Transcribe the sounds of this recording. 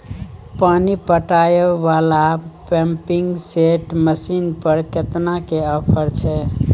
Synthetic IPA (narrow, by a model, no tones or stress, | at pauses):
panipəʈajəbala | pɛmpiŋɡseʈməsinpəɾket̪nakeəpʰəɾt͡ʃʰɛ